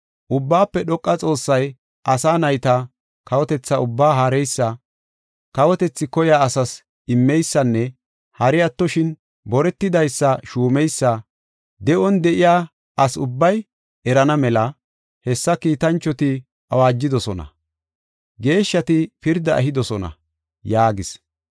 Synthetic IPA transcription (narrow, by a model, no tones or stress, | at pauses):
ʔʊbːaːpːɛɗɔkʼːɐt͡sʼo̞ːsːɐj | ʔɐsaːnɐjt̪ɐ | kɐwɔt̪ɛt͡sːɐʊbːaːɦaɾɛjsːɐ | kɐwɔt̪ɛt͡sːɪkɔjaːsɐs | ɪmːɛjsːɐnːɛ | hɐɾɪjɐt̪ːɔʃɪn | bɔɾɛt̪ːɪd̪ɐjsːɐʃuːmɛjsːɐ | d̪ɛʔɔnd̪ɛʔɪjaː | ɐsʊbːɐj | ɛɾɐnɐmɛlɐ | hɛsːɐkiːt̪ɐnt͡ʃːɔt̪ɪ | ʔɐwaːd͡ʒːɪd̪ɔsɔ̰nɐ̰ | ɡe̞ːʃːɐt̪ɪpɪɾd̪ɐʔɐ̰ɦɪd̪ɔsɔnɐ̰ | jaːɡɪs